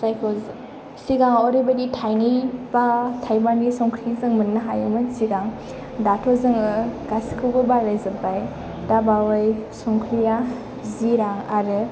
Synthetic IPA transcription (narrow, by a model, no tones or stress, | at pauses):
sajkʰɔz | siɡaŋɔɾibaditʰajnibatʰajbanisɔŋkʰɾizɯŋmɯnːaɦajɯmɯsiɡaŋ | datʰɔzɯŋɯɡaskʰɯwbɯbalajzɯbaj | dabawɯjsɔŋkʰɾija | ziɾaŋaɾɯ